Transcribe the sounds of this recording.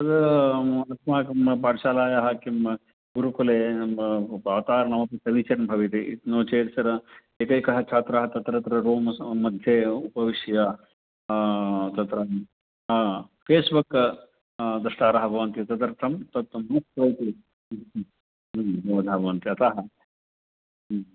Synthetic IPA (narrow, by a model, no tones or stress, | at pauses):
sɐd̪ | lɐkmaːkimɐpaːɾɕaːlaːjaɦɐkimɐ | ɡuɾukuleː | baːʋt̪aːɾnɐʋɐpisɐʋit͡ʃɐɾnbʱɐʋit̪eit̪noːt͡ʃeːt̪sɐɾ | eːkɐjkɐɦɐt͡ʃʰaːt̪ɾɐɦɐt̪ɐt̪ɾɐt̪ɾɐɾoːmmɐd̪ʱjeupɐʋiʂja | t̪ɐt̪ɾɐ | feːsbuk | d̪ɐʂʈaːɾɐɦɐbʱɐʋɐnt̪iɐt̪ɐt̪ɐɾt̪ʰɐmt̪ɐt̪mɐspɾɐjt̪i | ɦɐʋɐd̪ɐɦɐbʱɐʋɐnt̪iɐt̪aːɦɐ